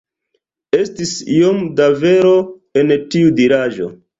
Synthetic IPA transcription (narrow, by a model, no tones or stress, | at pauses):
e̞stisijomdave̞ɾo̞ | e̞ntiudiɾaʒo̞̰